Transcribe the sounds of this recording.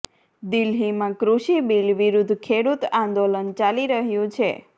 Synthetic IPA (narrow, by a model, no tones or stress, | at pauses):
d̪ilɦimãkɾuʃibilʋiɾud̪ʱkʰeɽut̪ãnd̪olənt͡ʃaliɾəɦjũt͡ʃʰe